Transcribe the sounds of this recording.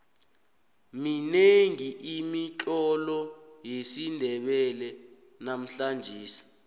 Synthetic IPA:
mineŋiʔimit͡ɬʼɔlɔjesindʱɛɓɛlɛ | nam̩ɬand͡ʒʱiːsi̥

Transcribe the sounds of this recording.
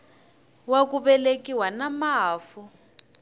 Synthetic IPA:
wak̬uɓɛlekiwanamaːfu

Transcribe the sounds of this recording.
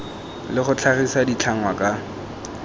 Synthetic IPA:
lɪχʊt͡ɬʰarisadit͡ɬʰaŋwakʼa

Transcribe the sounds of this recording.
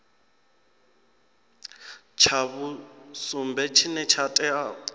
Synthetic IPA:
t͡ʃʰaβusumbɛt͡ʃʰinɛt͡ʃʰatʼɛa

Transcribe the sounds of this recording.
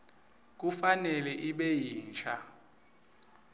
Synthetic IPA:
k̬ufanɛlɛʔiɓejiːnt͡ʃʰʼa

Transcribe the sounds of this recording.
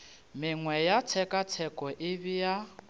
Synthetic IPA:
mɪŋwɛjat͡sʰɛkʼat͡sʰɛkʼɔʔɪbija

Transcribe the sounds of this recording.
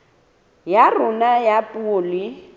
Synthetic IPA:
jarʊnajapʼʊːli

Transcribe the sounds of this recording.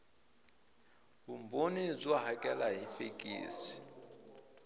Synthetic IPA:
bumbonib͡ʐwaɦakʼɛlaɦifekʼḭːsi̥

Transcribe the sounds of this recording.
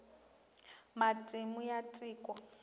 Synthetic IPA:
matʼimujatʼiːkʼwa

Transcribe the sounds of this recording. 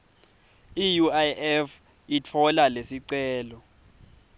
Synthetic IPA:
ijuajɛf | it͡fʰɔlalesiǀɛːlɔ

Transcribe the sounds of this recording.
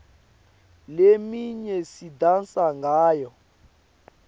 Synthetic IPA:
lemiɲɛsidansaŋɡaːjɔ

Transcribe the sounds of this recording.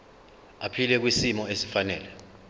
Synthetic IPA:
apʰilɛk̬wisimɔesi̥fanɛ̰ːlɛ

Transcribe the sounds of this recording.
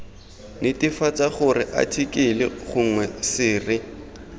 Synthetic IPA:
nɪtɪfat͡saχʊrɪʔa̰tʰikɪlɪ̰χʊŋwɛsɪːrɪ

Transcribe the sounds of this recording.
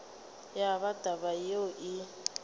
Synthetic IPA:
jaβadʱaβajeʔi

